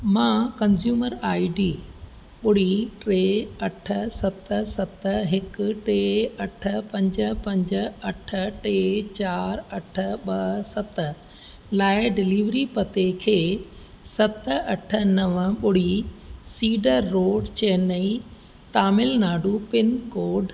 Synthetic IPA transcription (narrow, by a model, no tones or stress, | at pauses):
mãkɐ̃nzjuːməɾaːiɖiː | ɓʊɽ̤iʈɾeːɐʈʰə̆sɐt̪sɐt̪ɦɪkʊʈeːɐʈʰə̆pɐ̃ɲd͡ʑə̆pɐ̃ɲd͡ʑəɐʈʰəʈeːt͡ɕaːɾɐʈʰə̆ɓɐsɐt̪ə | laːɪɖɪliːʋɾipɐt̪ekʰeː | sɐt̪ɐʈʰə̆nɐʋəɓʊɽ̤isiːɖəɾːoːɖt͡ɕeɦnɐi | t̪aːmɪlnaːɖupɪnkoːɖ